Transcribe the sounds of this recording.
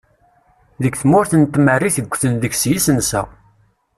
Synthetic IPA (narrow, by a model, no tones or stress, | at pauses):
ðəɡθmʊɾθənt̪ːmərːiθəɡʷːθənðəçsjisənsæ̰